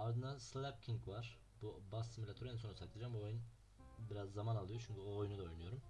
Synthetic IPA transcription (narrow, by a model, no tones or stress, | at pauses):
aɾd̪ɯnd̪anslʲæp̚cʰiŋkvaɾ̥ | bubasimilʲat̪ʰoɾninso̞nusʰaklˠed͡ʒambuojun | biɾazːamanalˠɯjo̞t͡ʃʰyɲcʰyoojunud̪aojunɯjo̞ɾum